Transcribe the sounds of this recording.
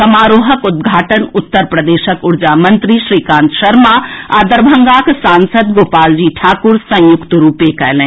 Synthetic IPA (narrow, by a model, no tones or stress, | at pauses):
sɐmaːɾoːɦəkʊd̪̚ɡʱaːʈənʊt̪ːəɾpɾɐd̪eːʃəkʊɾd͡ʒaːmə̃nt̪ɾiʃɾiːkãːnt̪ʃɐɾmaaːd̪əɾbʱɐŋɡaːksãːnsəd̪ɡoːpaːld͡ʒiːʈʰaːkʊɾsɐ̃jʊkt̪əɾuːpekɛɦlẽː